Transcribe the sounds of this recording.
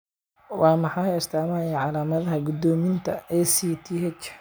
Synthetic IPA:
wɑːmɑħɑjɪst̪ʰaːmaːjaʕɑlaːmɐðɐɦɐɡʊd̪ɔːmɪnt̪ʰɐɛːsiːt̪ʰiːɦɛt͡ʃ

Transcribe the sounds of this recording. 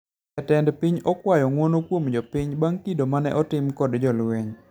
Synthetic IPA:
ɛtɛndpɪɲɔkwajɔŋwonokwomd͡ʒɔpɪɲbaŋkidomanɛ̰ʔɔtɪmkɔdd͡ʒɔlweɲ

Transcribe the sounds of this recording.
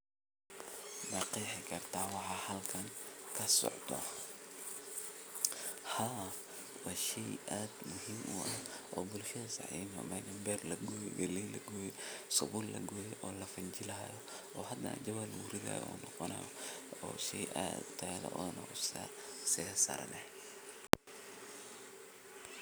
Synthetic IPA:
nɑqiːħɪkʰɐrt̪ʰaːwɑħɑːhɐlkʰɐŋkʰɐsɔ̰ʕd̪ɔ̰ | haː | wɑːʃɛjʔaːd̪mʊɦiːmʔṵʔɐʔɔːbʊlʃɐðɐsɑ̰ħḭːmɐ̰mɐɡɐmbɛːrlɐɡɔjɡɐlilːɐɡɔːjɛsɔbullɐ̰ɡɔjɛʔɔːlɐfɐɲd͡ʒɪlɐɦɐ̰jɔ | ʔɔːhɐd̪ɐn̰d͡ʒɐwalwʊɾɪla̰j̰ʔɔ̰ːnɔqɔnɐ̰jɔɔ̰ːʃɛjʔa̰ːd̪t̪ʰːɐjðɐ̰ʔɔːnɐ̰sa̰sɛɐsa̰ːɾɐnʔɛ

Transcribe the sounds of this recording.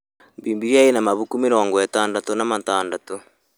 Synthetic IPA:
mbiːmbiɣjainamaβukumiɾoːŋɡoetaːndatonamataːndato

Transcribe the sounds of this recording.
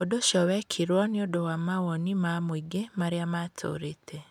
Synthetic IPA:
odoʃɔwɛkʰiɾwɔneodowamawɔnimamwiɡemaɾeamatʰo̰ɾetʰe

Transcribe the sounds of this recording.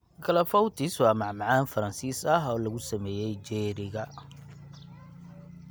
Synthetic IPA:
ɡʰɐlɐfɔwt̪ʰɪswɑːmɑʕmɑʕaːnfɐɾɐnsiːsɐɦɔːlɐɣʊsɐmɛːjɛjd͡ʒɛːɾɪɣɐ

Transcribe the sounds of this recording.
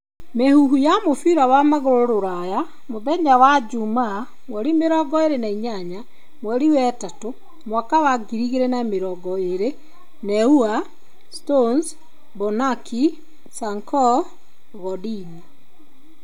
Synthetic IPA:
mehuɦujamofiɾawamaɣoɾoɾoɾaja | moðɛɲawad͡ʒuma | mwɛɾimeɾɔɡɔeɾenaiɲaɲa | mwɛɾiwɛtato | mwakawaɡiɾiɣeɾɛnameɾɔɡɔeɾe | nɛua | stons | bɔnaki | saŋkɔ | ɣɔdina

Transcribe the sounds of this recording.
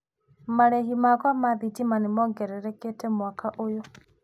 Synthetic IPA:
maɾɛhimakwamaðitimanemɔːŋɡɛɾɛɾɛketɛmwakaʔojɔ

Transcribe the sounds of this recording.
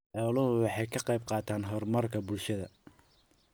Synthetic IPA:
ħɔːlʊɦʊwɑħɑjkʰɐqɑjb̚qɑːt̪ʰaːnɦɔrmɐrkʰɐbʊlʃɐðɐ

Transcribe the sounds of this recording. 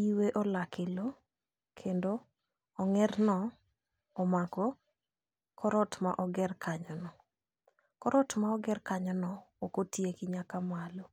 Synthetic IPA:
iweʔɔlakɪlo | kʰendoː | ŋɛrnɔ | ɔmakɔ | kʰɔɾɔtma̰ʔɔɡɛrkʰaɲɔnɔ | kɔɾɔtmaɔɡɛrkaɲɔnɔːkotjekɪɲakamalo

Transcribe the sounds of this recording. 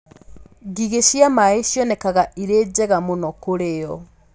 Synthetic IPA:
ɡiɣeʃjamaeʃjɔnɛkaɣaʔiɾed͡ʑɛɣamonɔkoɾejɔ

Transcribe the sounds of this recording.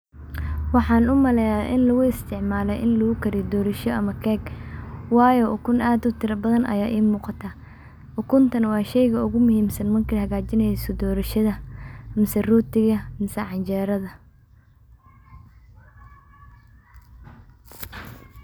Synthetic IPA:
wɑħɑːnʊmɐlɛjaːʔɪnlɐɣʊɪst̪ʰɪʕmaːlɛjʔɪnlʊɣʊkʰɐɾɪjd̪ɔːɾɐʃɔʔɐmɐkʰɛːɡwɑːjɔʔʊkʰʊnaːd̪ʊt̪ʰɪɾɐbɐðɐnɐ̰jaːʔiːmuːqɑt̪ʰaː | ʔʊkʰʊnt̪ʰɐnwɑːʃɛjɣɐʊɣʊmʊhiːmsɐnmɐrkʰihɐɣaːt͡ʃɪnɛjsɔd̪ɔːɾɐʃɐðɐmɐsɐrʊt̪ʰɪɣɐmɪsɐʕɑnt͡ʃɛːɾɐðɐ

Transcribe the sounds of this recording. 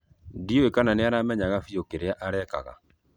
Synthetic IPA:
dioekananeanamɛɲaɣafiokeɾeaʔaɾɛka̰ɣa̰

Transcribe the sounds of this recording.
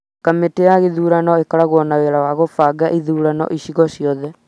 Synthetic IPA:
kameteaɣeðuːɾanɔekaɾaɣwɔnaweɾawaɣofaːɡaʔiðuːɾanɔ̰ʔiɕiɣɔɕiɔðɛ

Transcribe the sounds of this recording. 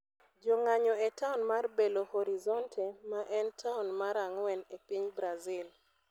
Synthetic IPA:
d͡ʒɔŋaɲɔetaʊnmarbelohɔɾizɔntʰɛmaʔɛntʰaʊnmaɾaŋwɛnepiɲbɾazil

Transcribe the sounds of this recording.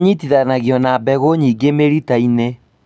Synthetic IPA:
ɲitiðanaɣjɔnabɛɣoɲiɡemeɾitaine

